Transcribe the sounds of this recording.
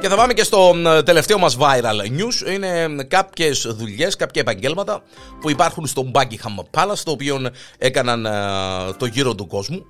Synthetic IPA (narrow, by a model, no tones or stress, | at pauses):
ce̞θɐpɐmece̞st̪o̞t̪e̞le̞ft̪eo̞mɐzvɐiɾɐlɲusine̞kɐpçe̞sðuʎe̞skɐpçɐe̞pɐɲɟe̞lmɐt̪ɐ | puipɐɾxunst̪o̞mbɐcixɐmːpːɐlɐst̪oːpio̞ne̞kɐnɐn | t̪o̞ʝiɾo̞t̪uko̞zmu